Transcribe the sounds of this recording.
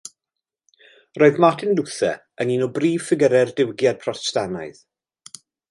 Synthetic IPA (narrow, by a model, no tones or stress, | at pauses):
rɔːɨðmatʰɪnlʊθɛ̰ | əninɔbriːv̥fɪɡəɾɛrdɪwɡjad̚pʰrɔstana̰ɨð